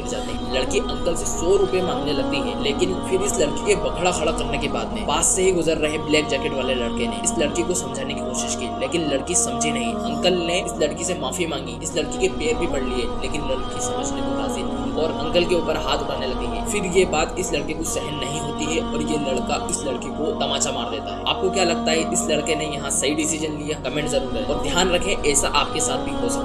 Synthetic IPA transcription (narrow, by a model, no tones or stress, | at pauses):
ɐɾd͡ʒa̰ːt̪eɦɛ̃lɐɽkiʔɐ̃ŋkəlsesɔːɾʊpemãːŋɡnelɐɡ̚t̪iɦɛːleːkɪnfɪɾɪslɐɽkikebɐɡʱɽaxɐɽakɐɾnekebaːd̪mẽpaːsːeɦiɡʊzəɾːɐɦeblɛːk̚d͡ʒɛːkɪʈʋaːlelɐɽkeneɪslɐɽkikosɐ̃md͡ʒʱaːnekikoːʃɪʃkiːleːkɪnlɐɽkisɐmd͡ʒʱinɐɦĩɐ̃ŋkəlneɪslɐɽkisemaːfimãːŋɡiɪslɐɽkikepeːɾbʱibɐɽlieːleːkɪnlɐɽkːisɐməd͡ʒʱnekoɦaːzɪn | ɔːɾɐ̃ŋkəlkeuːpəɾɦaːt̪ʰbɐɽnelɐɡẽŋɡɛ̰ːfɪɾjebaːt̪ɪslɐɽkekosɛɦənːɐɦĩɦoːt̪iɦɛɔːɾjelɐɽkaʔɪslɐɽkikot̪ɐmaːʃamaːɾd̪eːt̪aɦɛːa̰ːp̚kokjaːlɐɡ̚t̪aɦɛʔɪslɐɽkenejɐɦãsɐiɖɪsid͡ʒənlijakɐmẽːɳʈzɐɾuːɾɦɛɔːɾd̪ʱjaːnɾɐkʰẽɛːsaʔaːp̚kesaːt̪̚ʰbʱiɦosɐ